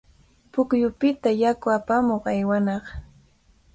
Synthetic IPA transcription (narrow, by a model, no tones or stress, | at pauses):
pʊkjʊpɪt̪ajakʊapamoχajwanɑχ